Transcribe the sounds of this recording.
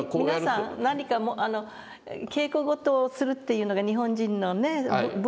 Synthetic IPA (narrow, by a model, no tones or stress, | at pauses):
komiinasãnaɲ̟ikamoʔano̞ | ke̞ːkoɡo̞t̪oːsɨɾɯ̟t̪ːe̞jɯ̟ːno̞ɡaɲ̟iɦõ̞ɲd͡ʑĩnːo̞ne̞b